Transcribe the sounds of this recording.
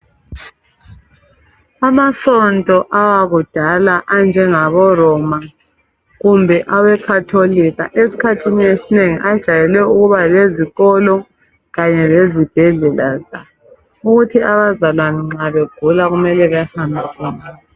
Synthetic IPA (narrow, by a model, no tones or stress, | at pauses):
amasɔntʼɔʔawaɣud̥ʱalaʔand͡ʒʱɛŋaβɔrɔma | ɣumbʱɛʔawɛkʰatʰoliɣa̰ʔesi̥kʰatʰiniesineŋiʔad̥ʒ̥ʱajɛlɛuɣuβaleziɣɔlɔ | ɣaɲɛlezib̥ʱɛɮɛlaza | uɣutʰiaβazalwaniŋ͡ǁaβeɡ̥ʱulaɣumɛlɛβahambʱikʰɔːna